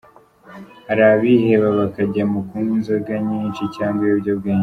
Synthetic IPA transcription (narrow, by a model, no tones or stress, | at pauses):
aɾaβiheβaβakaɟamukunzaɡaɲiːnt͡ʃicaːŋɡajubɟob̚ɡeːɲ